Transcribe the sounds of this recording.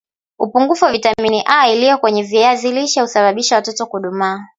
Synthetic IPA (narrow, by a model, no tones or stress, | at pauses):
upuŋɡufuavitaminiʔailijɔkwɛɲɛviɛaziliʃahusaɓaɓiʃawatɔtɔkuɗumaː